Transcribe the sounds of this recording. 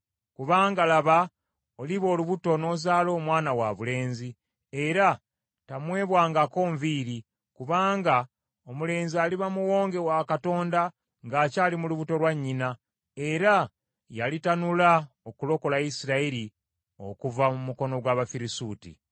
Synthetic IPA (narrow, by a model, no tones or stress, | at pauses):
kuβaːŋɡalaβa | oliβo̞ːluβuto̞no̞zaːlo̞ːmwaːnawaβule̞ːnzi | e̞ɾa | tamwe̞ːβwaːŋɡako̞ːɱviɾi | kuβaːŋɡa | omule̞ːnzialiβamuwo̞ːŋɡe̞wakato̞ːnda | ŋɡaːcaːlimuluβuto̞lwaɲːina | e̞ɾa | jalitanula | okulo̞ko̞lajisiɾaiɾi | o̞̰kuvamumuko̞no̞ɡwaːβafiɾisuːtḭ